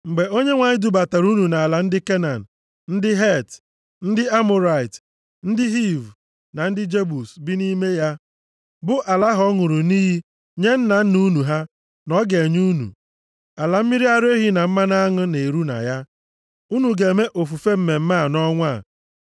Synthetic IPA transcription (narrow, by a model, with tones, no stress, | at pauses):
ŋ͡m̩˨ɡ͡be˨o˦ɲe˦ŋʷa˨ɲɪ˦du˨ba˨ta˨ɾu˦nu˨na˨a˨la˨n̩˦dɪ˦ke˦na˨n̩˨ | n̩˦dɪ˦ɦe˦˨t | n̩˦dɪ˦a˦mʊ˨ɾa˨i˨t | n̩˦dɪ˦ɦi˦˨v | na˨n̩˦dɪ˦d͡ʒe˦bu˨sbɪ˦ni˦me˦ja˦ | bʊ˦ʔa˨la˦ɦɔ˦ŋʊ˨ɾu˨niː˦ɦi˦ | ɲe˦n̩˦na˨n̩˦nu˦nu˨ɦa˦ | nɔ˦ɡe˨ɲu˦nṵ˨ | a˨la˨m̩˦mi˦ɾi˦a˦ɾe˦ɦi˦na˨m̩˦ma˦na˦ŋʊ˦ne˨ɾu˦na̰˨ja˦ | u˦nu˨ɡe˨me˦ʔo˨fu˨fe˦m̩˦me˨m̩˦ma˦˨nɔ˦ŋʷa˦˨